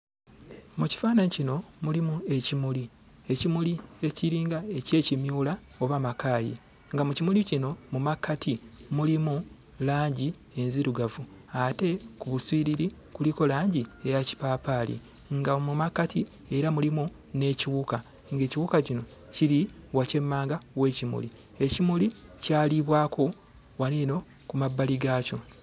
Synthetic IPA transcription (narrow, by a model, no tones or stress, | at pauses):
muci̥faːnanicino̞mulimue̞cimuli | e̞cimulie̞ciɾiːŋɡae̞ce̞ːcimjuːla | o̞βamakaːjḭ | ŋɡamucimulicino̞mumakːatʰimulimu | laːɲɟi | e̞nziɾuɡavu | ate̞kuβuswiːɾiɾi | kuliko̞laːɲɟie̞jaci̥papaːlḭ | ŋɡamumakːatʰi | e̞ɾamulimu | ne̞ːciwuka | ŋɡe̞ːciwukacino̞ | ciɾiwace̞mːaːŋɡawe̞ːcimṵli | e̞cimulicaːliβwaːkʰo̞ | wanino̞ | kumabːaliɡaːco̞